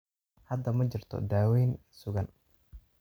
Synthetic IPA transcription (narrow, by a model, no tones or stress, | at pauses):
hɐd̪ɐmɐd͡ʒɪrt̪ʰɔ̰d̪aːwɛːn | sʊɣɐn